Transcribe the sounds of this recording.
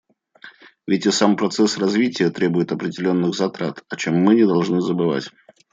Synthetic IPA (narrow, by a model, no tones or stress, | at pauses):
vʲɪtʲɪsampɾɐt̪sɛsrɐzvʲitʲɪjət̪ɾʲe̞bʊjɪt̪ɐpɾʲɪdʲɪlʲo̞nːɨɣzɐt̪ɾat̪ɐt͡ɕe̞mːɨnʲɪd̪ɐlˠʐnɨzəbɨva̰tʲ